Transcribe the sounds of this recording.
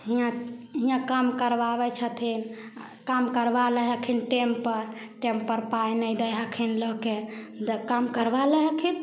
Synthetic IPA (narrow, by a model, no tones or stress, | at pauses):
ɦijãɦĩjãkamkəɾbabɛt͡ʃʰət̪ʰin | kamkəɾbaləɦəkʰinʈempəɾ | ʈempəɾpajnəjd̪əɦəkʰinləke | d̪kamkəɾbaləɦəkʰin